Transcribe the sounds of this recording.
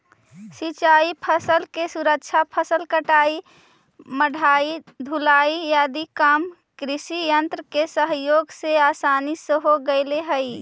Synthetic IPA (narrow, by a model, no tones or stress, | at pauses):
sit͡ʃaːipʰəsəlkesuɾəkt͡ʃʰapʰəsəlkəʈaːi | məɽʱaid̪ʱulaijaːd̪ikam | kɾɪʃijənt̪ɾəkesəɦjoːɡseaːsanisəɦoɡəɪleɦəi